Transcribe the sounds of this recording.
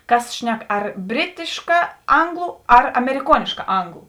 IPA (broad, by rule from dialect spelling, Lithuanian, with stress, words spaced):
ˈkɐs ˈʃʲnʲɛk ɐr ˈbʲrʲɪtʲɪʃkɐ ˈɐŋɡlˠʊ ɐr ɐmʲɛrʲɪˈkuɔnʲɪʃkɐ ˈɐŋɡlˠʊ